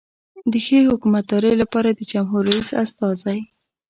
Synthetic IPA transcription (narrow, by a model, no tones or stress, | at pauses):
d̪əxəhʊkumat̪̚d̪ɑɾəjlapɑɾad̪əd͡ʒamɦuɾaifast̪ɑzaj